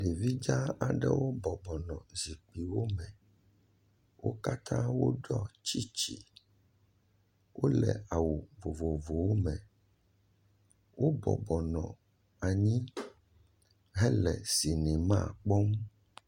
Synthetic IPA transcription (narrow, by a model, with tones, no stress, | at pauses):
ɖe˨vi˦d͡ʒa˦a˨ɖɛ̰˦wo˦bɔ˨bɔ˨nɔ̃˨zi˨k͡pi˨wo˦mɛ̃˨ | wʔo̰˦ka˦t̪ʰã˦wo̰˦ɖɔ˦t͡ʃi˦t͡ʃi˨ | wo˦lɛ̰˨a˨wu˨vo˨vo˨vo˨wo˦mɛ̃˨ | wo˦bɔ̰˨bɔ˨nɔ̰̃˨ | a˨ɲĩ˦ | ɦɛ˦lɛ̰˨si˨nĩ˨mã˦˨k͡pɔ˦m